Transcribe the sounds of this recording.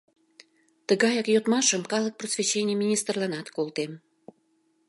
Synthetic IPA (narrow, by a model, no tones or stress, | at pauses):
t̪əɣɑjɑkjot̪mɑʃəmkɑlək̚prosvʲet͡ɕːenʲɪjəmʲinʲist̪rlɑnɑt̪kolˠt̪em